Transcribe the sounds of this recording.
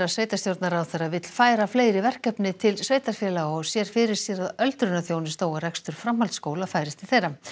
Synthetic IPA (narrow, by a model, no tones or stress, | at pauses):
ɾaðsveːjt̪ast̪jowɾt̪naɾawθejɾavɪt̪l̥faːjɾafleːjɾɪvɛr̥kœpnɪt̪ʰɪlsveːjt̪aɾ̥fjɛlaɣɔsjɛɾ̥fɪɾɪɾ̥sjɛɾaðœlt̪ɾʏnaθjownɪst̪oːwɣaɾɛkst̪ʏɾ̥fɾamhalt̪skoːwlafaːjɾɪst̪ʰɪlθejɾa